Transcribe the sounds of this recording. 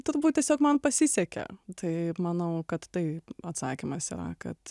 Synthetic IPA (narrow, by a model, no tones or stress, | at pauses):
t̪ʊɾbuːt̪tʲiɛsʲoːkmɐnpɐsʲɪsʲɛkʲɛ̰t̪ʰɐɪmɐnɐʊkɐt̪t̪ɐɪɐt̪sɑːkʲɪmɐsḭːɾɐ̰kɐt̪